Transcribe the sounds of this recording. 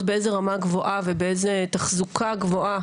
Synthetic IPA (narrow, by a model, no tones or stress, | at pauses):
beʔezeʁamaɡvo̞ʔavebeezet̪aχzukʰaɡvo̞ʔa